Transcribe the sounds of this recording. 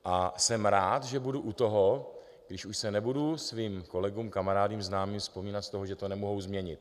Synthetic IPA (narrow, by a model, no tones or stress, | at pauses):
ʔasɛmɾaːt̪ʒɛbuduʔut̪o̞ɦo | ɡdɪʃuʃsɛnɛbudusviːmko̞lɛɡuːmkamaɾaːdiːmznaːmiːmfspomiːnat̪st̪oɦoʒɛt̪o̞nɛmoɦowzmɲɛɲɪt̪̚